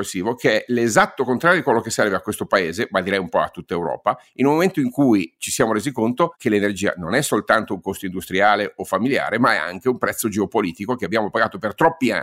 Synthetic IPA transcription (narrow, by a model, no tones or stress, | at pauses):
sːiːvokeɛlezat̪ːokont̪ɾaːjod̪ikwelːokesːɛrveakwest̪opaeːzemad̪iɾɛjumpɔa̰t̪ːut̪ːaewɾɔ̰ːpa | inunmːoment̪oiŋkujt͡ʃi̥sjaːmoɾeːzikont̪okelenerd͡ʒiːa̰nonɛsolt̪ant̪ouŋkost̪oind̪ust̪ɾiaːleofamilja̰ːɾemaɛ̰a̰ŋkeumpɾɛt̪sːod͡ʒeopoliːt̪ikokeabːjaːmopaɡaːt̪opert̪ɾɔpːia̰